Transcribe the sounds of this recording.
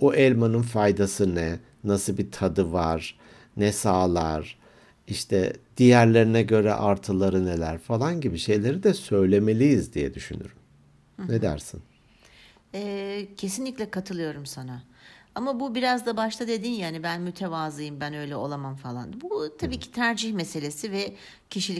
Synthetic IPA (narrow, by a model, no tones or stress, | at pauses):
oʔɛlʲmanɯnfajd̪asɯnɛ | nasɯbit̪ʰad̪ɯvaɾ̥ | nɛsaːlˠaɾ̥ | iʃt̪ʰɛ̰d̪̥ijæɾlʲe̞ɾinɛɟø̞ɾɛ̰ʔaɾt̪ʰɯlˠaɾɯne̞lʲæɾfalˠanɟibiʃe̞jlʲe̞ɾid̪ɛsø̞jlʲe̞me̞lʲijizd̪ijɛ̰d̪yʃyny̰ɾym | ned̪æ̰ɾsin | ɛːcʰe̞sinlʲicʲlʲɛkʰat̪ʰɯlˠɯjo̞ɾumsanaamabubiɾazd̪abaʃt̪ʰad̪e̞d̪injaːnibænmyt̪ʰevaːzɯjɯmbænø̞jlʲɛo̞lˠamamfalˠa̰nbut̪ʰabiːcʰi̥t̪ʰæɾd͡ʒiçmese̞lʲe̞sivɛ | cʰiʃilʲ